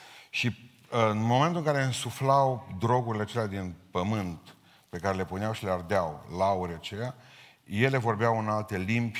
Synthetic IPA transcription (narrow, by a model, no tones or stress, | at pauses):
ʃi | ɨnmo̞mẽnt̪ulɨŋkaɾe̞ɨnsuflawd̪ɾo̞ɡuɾile̞at͡ʃelead̪inpəmɨnt̪ | pe̞kaɾe̞le̞puneawʃileard̪eawlauɾeat͡ʃeja | je̞le̞vo̞rbeawɨnalt̪e̞limbʲ